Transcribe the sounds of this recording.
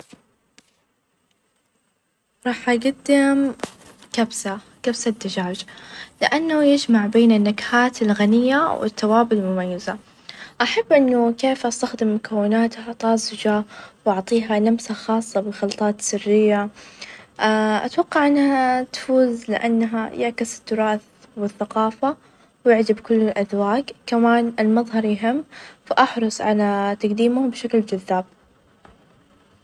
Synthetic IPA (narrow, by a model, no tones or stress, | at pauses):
ɾˤɑːħʔaɡad̪ːɪm | kabsa | kabsad̪ːad͡ʒaːd͡ʒlɪʔanːajɪd͡ʒmaʕbeːnɪnːakḁhaːt̪ɪlɣanɪjːawɪ̰t̪ːawaːbɪllmʊmajːɪza | ʔaħabːʔɪnːʊkeːfʔast̪axd̪ɪmːʊkawːɪnaːt̪hat̪ˤɑːzɪd͡ʒawʔɑʕt̪ˤiːɦalamsaxɑːsˤːɑbɪxɑlt̪ˤɑːt̪sɪrːɪjːa | ʔaʔa̰t̪wɑqːɑʕʔɪnːahat̪ḁfuːzlɪ̰ʔa̰nːaɦa̰jɪʕkɪsɪ̥t̪ːʊɾˤɑːθ | wɪθːaqɑːfa | wjɪʕd̪ɪbkʊlːɪlʔaðwaːkkamaːnɪlmɑðˤɦɑɾˤjɦɪmːfaʔɑħɾˤɑsˤʕalat̪aɡd̪iːmʊbɪʃakld͡ʒaðːaːb̥̚